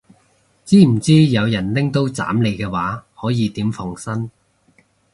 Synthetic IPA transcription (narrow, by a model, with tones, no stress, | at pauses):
t͡siː˥m̩˨˩t͡siː˥jɐ˨˧wjɐ˨˩nlɪ˥ŋt̪o˥wt͡sa̰ː˨˥mle˨˧jkɛː˧waː˨˥hɔː˨˥jiː˨˧t̪iː˨˥mfɔ˧ŋsɐ˥n